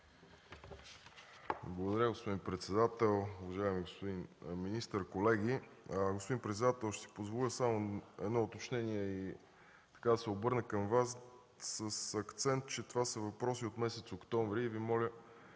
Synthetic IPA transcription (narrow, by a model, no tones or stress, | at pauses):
blˠɐɡod̪ɐɾʲjəɡospod̪inpɾɛt̪sɛd̪at̪ɛlˠʊvɐʒaɛmiɡospod̪inminist̪əɾkolɛɡ̟ʲiɡospod̪inpɾɛt̪sɛd̪at̪ɛlˠʃt̪ɛsi̥pozvolʲəsamoɛ̰d̪nɔot̪ot͡ʃnɛniɛi | t̪ɐ̥kad̪ɐsɛobɤɾnəkəmvas | səsɐkt̪sɛnt̪̚t͡ʃɛt̪ovasəvɐpɾɔsiot̪mɛsɛt̪sokt̪ɔɱvɾiːvimɔlʲə